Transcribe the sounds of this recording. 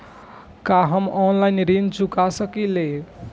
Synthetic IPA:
kaɦʌmɔnlajnɾint͡ʃukasəkile

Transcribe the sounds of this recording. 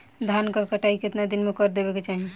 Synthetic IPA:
d̪ʱankakəʈʰaikɪt̪nad̪ɪnmẽkɔɾd̪ebeket͡ʃaːɦie

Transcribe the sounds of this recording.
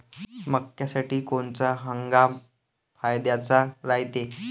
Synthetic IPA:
məkjasaʈiːkoɳt͡saɦəŋɡa | fʰajd̪jat͡saɾajt̪e

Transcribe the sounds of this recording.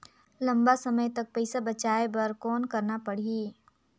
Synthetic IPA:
lɐ̃mbasɐməjt̪ɐk̚pɛɪsabɐt͡ʃaːebɐɾkɔːnkɐɾnapɐɽ̤iiː

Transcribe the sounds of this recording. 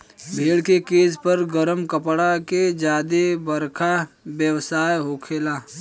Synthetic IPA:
bʱeːɽkekeːzpɐɾɡəɾəmkəpɽaked͡ʒaːd̪ebəɾkʰa | bjəwsaːjɦoːkʰelaː

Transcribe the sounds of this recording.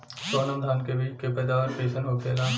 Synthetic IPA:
sonə̃md̪ʱaːnkebʱikepɛːd̪aːʋəɾʈeːʃənɦoːkeːlaː

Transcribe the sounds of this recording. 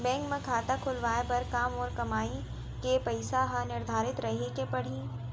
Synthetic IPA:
bɛ̃ːŋkmẽkʰaːt̪akʰʊlʋaːepɐɾkaːmɔːɾkɐmaːi | kepɐɪsaɦɐnɪɾd̪ʱaːɾɪt̪ɾɐɦekepɐɽ̤ĩ

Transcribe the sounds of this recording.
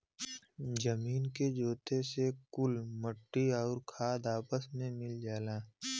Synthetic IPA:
d͡ʒəmiːnked͡ʒoːt̪esekʊlməʈːiɔːɾkʰaːd̪aːpəsmẽmɪld͡ʒaːlaː

